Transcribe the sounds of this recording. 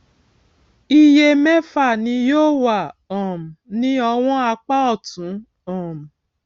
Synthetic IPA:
i˧je˧mɛ˦fa˦˨nĩ˧˦joː˦˨wa˦˨ɔ̃˨m̩˨nĩ˦ɔ˧w̃ɔ̃˦a˧k͡pa˦ɔ˦˨tũ˨˦ | ɔ̃˨m̩˨

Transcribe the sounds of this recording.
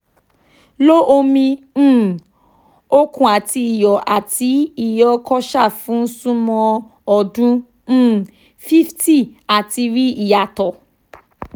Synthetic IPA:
lo˦ʔo˧mĩ˧˦˨ | o˦kũ˨a˨ti˧i˨jɔ˨ʔa˨ti˨˦i˦˨jɔ˧kɔ˦ʃa˦˨fũ˨˦sũ˦mɔ̃˧ | ɔ˨dũ˦ | fi˦fti˦˨a˨ti˧ɾi˦i˦˨ja˨tɔ˨

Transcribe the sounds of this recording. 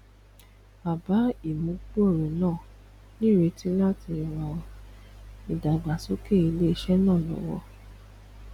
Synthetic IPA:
ba˨ba˨˦i˨mũ˨˦k͡po˦e˦˨ɾɛ˨nãː˦˨ | nĩ˦˨ɾe˧tĩ˦la˦ti˧wa˧ | i˨da˨ɡ͡ba˨so˨˦ke˦˨i˧le˦ʃɛ˦nãː˦˨lɔ̰˨wɔ̰˧

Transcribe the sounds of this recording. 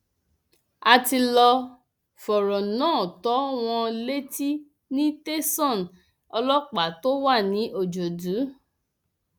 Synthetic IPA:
a˧ti˧lɔ˧ | fɔ˨ɾɔ˨nãː˦˨tɔ˨˦w̃ɔ̃˧le˦ti˦ | nĩ˦te˦sɔ̃˦˨n | ɔ˧lɔ˦k͡pa˨to˦wa˦˨nĩ˨˦ʔo˦˨d͡ʒo˨du˨˦

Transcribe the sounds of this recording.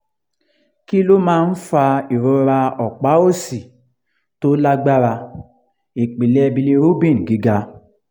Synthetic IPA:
ki˦lo˦mãː˦n̩˦fa˧i˨ɾo˨˦ɾa˧ɔ˨k͡pa˨˦o˦si˨ | to˦la˦ɡ͡ba˦ɾa˧ | e˨k͡pi˨le˦ɛ˦˧bi˧le˧ɾo˦bĩ˦˨n̩˨ɡi˨˦ɡa˧

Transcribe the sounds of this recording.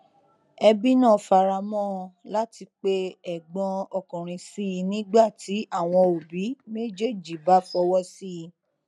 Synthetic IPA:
ɛ˧bi˦nã˦˨fa˧ɾa˧mɔ̃˦˧la˦ti˧k͡pe˦ɛ˨ɡ͡bɔ̃˧ɔ˧˨kɔ̃˨ɾ̃ĩ˧si˦˧nĩ˦ɡ͡ba˦˨tʰi˨˦a˦˨w̃ɔ̃˧o˨bi˨˦me˦d͡ʒe˦˨d͡ʒi˨ba˨˦fɔ˧wɔ˦si˦i˧

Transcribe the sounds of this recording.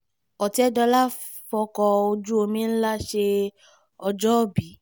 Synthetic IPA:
ɔ˨ti˨˦ɛ˦dɔ˧la˦ | fɔ˧kɔ˧o˧d͡ʒu˦o˧mĩ˦n̩˦la˦ʃe˧ | ɔ˧d͡ʒɔ˦˨bi˨˦

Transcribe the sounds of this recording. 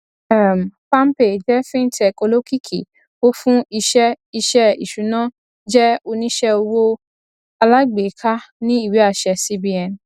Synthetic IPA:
ɛ˦˨m˨pa˦m˦pe˨d͡ʒɛ˦fĩ˦tʰɛ˧ko˧lo˦ki˦kʰḭ˨ | o˦fũ˦i˧ʃɛ˦ | i˧ʃɛ˦ḭ˨ʃu˨˦nãː˦ | d͡ʒɛ˦o˧nĩ˦ʃɛ˦o˧wo˦ | a˧la˦ɡ͡be˨˦kʰa˦nĩ˦i˦˨wi˨˦a˦˨ʃɛ˧si˦bi˧ɛ˨n˨

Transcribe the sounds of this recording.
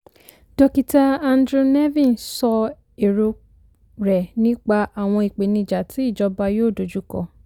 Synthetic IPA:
d̥ɔ˧ki˨ta˧a˧n˦dɾu˧nɛ˦vĩ˦˨nsɔ˧ | e˨ɾo˧ | ɾɛ˨nĩ˦k͡pa˧a˨w̃ɔ̃˧i˨k͡pe˨nĩ˧˨d͡ʒa˨tʰi˨˦i˦˨d͡ʒɔ˧˦ba˧joː˦˨do˨˦d͡ʒu˦kɔ̰˧

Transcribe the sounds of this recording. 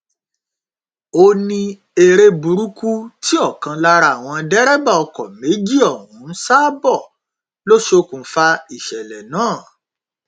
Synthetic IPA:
o˧nĩ˧ | e˧ɾe˧bu˨ɾu˦ku˦ti˦ɔ˦˨kã˧la˦˧ɾa˧˨w̃ɔ̃˧dɛ˦ɾɛ˦ba˦˨ɔ˧kɔ˨me˨˦d͡ʒi˦˨ɔ˦˨hũ˨˦n̩˦sa˦bɔ˦˨ | lo˦ʃe˦o˧kũ˨˦fa˧i˦˨ʃɛ˨lɛ˨nãː˦˨

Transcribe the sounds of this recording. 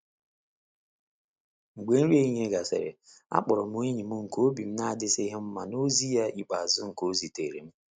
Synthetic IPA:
ŋ͡m̩˨ɡ͡be˨˦n̩˦ɾi˦e˦ɲ˦e˦ɡa˨sḛ˨ɾɪ̰˨ | a̰˦k͡pɔ˨ɾɔ˨m˦u˦e˦ɲi˨mʊ˦ŋ̩˨ko˦bi˨m̩˦na˦a˦˨dɪ˦sɪ˦i˦ɦe˦m̩˦ma˨no˦zi˦ja˦ʔi˨k͡pa˨a˨zʊ˦ŋ̩˨ko˦zi˨tḛ˨ɾḛ˨m̩˦

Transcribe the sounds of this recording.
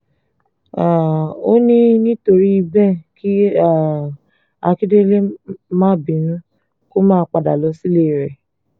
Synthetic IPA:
a˨o̰˦nĩ˦nĩ˦to˧ɾi˦i˧bɛ˦ki˦a˦˨ | a˧ki˦de˦le˦mã˦˨bĩ˨˦nũ˦ | ko˦mãː˦k͡pa˨da˨lɔ˨˧˦si˦le˦˨ɾɛ˨

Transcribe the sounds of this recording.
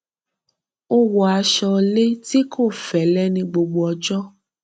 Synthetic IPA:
o˦wɔ˨a˧ʃɔ˧le˦ti˦kʰo˦˨fɛ˨˦lɛ˦nĩ˧ɡ͡bo˧ɡ͡bo˧ɔ˧d͡ʒɔ˦

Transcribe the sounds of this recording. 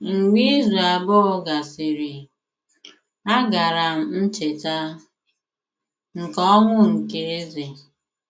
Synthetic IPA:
ŋ̩˨ɡ͡bi˦zu˨aa˨bɔ˦ɡa˨si˨ɾi˨ | a˦ɡa˨ɾa˨m̩˨n̩˦t͡ʃe˨ta˦ | ŋ̩˨kɔ˦ŋʷʊ˦ŋ̩˨ke˦e˦ze˨

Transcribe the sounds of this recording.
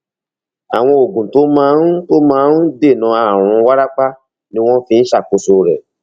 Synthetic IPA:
a˨w̃ɔ̃˧o˨ɡũ˨to˨˦mãː˦n̩˦to˦mãː˦n˦de˦˨nã˨˧a˦˨w̃ɔ̃˧wa˦ɾa˦k͡pa˦ | nĩ˦w̃ɔ̃˦fĩ˧n̩˦ʃa˦˨ko˧so˧ɾɛ̰˨

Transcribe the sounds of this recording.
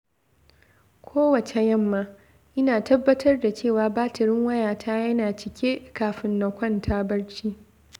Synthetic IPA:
kʷʰoː˦wɐ˨t͡ʃe˨jɐ˦˨mːaː˦ | ʔɪ˦naː˨tɐ˦bːɐ˦tʰɐ˦rda˨t͡ʃeː˦˨waː˨baː˦tʰɪ˨ɾɪ˦ŋwɐ˦jaː˨tʰaː˦jɐ˦naː˨t͡ʃɪ˨kʲe˦kaː˨ɸɪ˦nːɔ˨kʷɐ˦˨ntʰaː˦bɐ˦ɽt͡ʃiː˦

